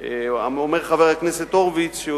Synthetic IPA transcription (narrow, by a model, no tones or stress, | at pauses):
a̰omeʁχaveʁakneset̪oʁvit͡sʃo